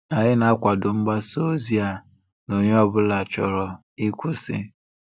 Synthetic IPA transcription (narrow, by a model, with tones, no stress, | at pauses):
a˨ɲɪ˦na˦kʷa˨dʊ˨ŋ͡m̩˦ɡ͡ba˦so˦zi˦a˨ | no˨ɲe˦ɔ˦bʊ˦la˨t͡ʃɔ˨ɾɔ˨ | i˦kʷʊ˦sɪ̰˦